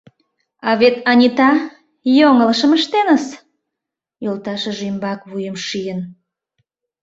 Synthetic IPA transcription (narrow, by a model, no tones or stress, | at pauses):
ɑβet̪ɑnʲit̪ɑ | joŋələʃəməʃt̪enəs | jolt̪ɑʃəʒymbɑkβujəmʃijən